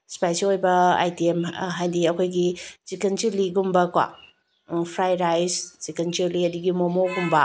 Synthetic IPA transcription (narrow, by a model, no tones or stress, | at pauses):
spajselojbɐa̰jtiemɦajdiɐkʰojɡit͡ʃikent͡ʃiɾliɡumbɐkwa̰ | pʰɾajɾajst͡ʃikent͡ʃiɾliɐdiɡimomoɡumbɐ